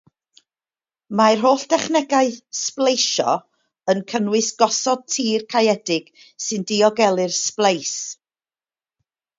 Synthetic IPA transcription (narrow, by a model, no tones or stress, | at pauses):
marɦoːɬd̥ɛχnɛɡaɨsplˠejʃɔ̰ | ənkʰənwɨsɡ̥ɔsɔd̚tʰiːrkʰajɛdɪɡ̥ | sɨndiɔɡɛlˠɨrsplˠejs